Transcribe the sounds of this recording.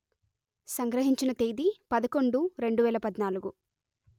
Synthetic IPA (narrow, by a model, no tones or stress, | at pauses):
sɐŋɡɾɐɦiɲt͡ʃinɐt̪eːd̪ipɐd̪ɐko̞ɳɖuɾe̞ɳɖuʋɛːlɐpɐd̪naːluɡu